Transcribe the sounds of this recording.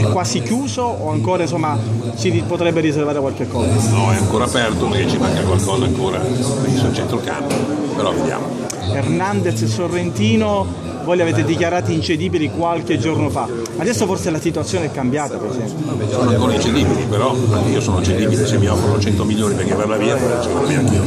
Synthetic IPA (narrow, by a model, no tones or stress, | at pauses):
ɛkːwaːsikjuːzooaŋkoːɾains̬omːa | t͡ʃipot̪ɾɛbːeɾis̬ervaːɾekwalkekːɔːzanɔɛaŋkoːɾaːpɛrt̪opeɾket͡ʃːimaŋɡakwalkɔːzaːŋkoːɾa̰esont͡ʃɛnt̪ɾoka̰mpopeɾɔved̪ja̰ːmo̰ | ernand̪essorːent̪iːno | voːjlaveːt̪ed̪ikjaɾaːt̪iint͡ʃed̪iːbilikwalk̟ed͡ʒornofa | ad̪ɛsːoforselasit̪uat̪sːjoːneɛkːambjaːt̪apeɾezɛmpjosoːnoaŋkoːɾaint͡ʃed̪iːbilipeɾɔiːosoːnoit͡ʃed̪iːbilesemːiɔfːɾonot͡ʃɛnt̪omiljoːnipeɾkevːaɾlaviːaoɛt͡ʃimanamiaŋki